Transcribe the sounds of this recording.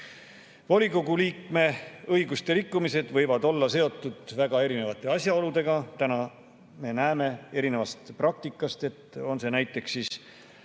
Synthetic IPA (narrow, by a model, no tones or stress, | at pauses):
voliko̞ɡuliːkme̞ɤjɡust̪e̞ɾikːumise̞d̪̥vɤjvɑd̪o̞lːɑse̞o̞t̪ːˑud̪̥væɡ̥ɑe̞ɾine̞vɑt̪ːˑe̞ɑsʲjɑo̞lud̪e̞ɡ̥ɑt̪ænɑ | me̞næeme̞e̞ɾine̞vɑst̪prɑk̚t̪ikːˑɑst̪e̞t̪o̞nse̞næjt̪ːˑe̞ksːiːs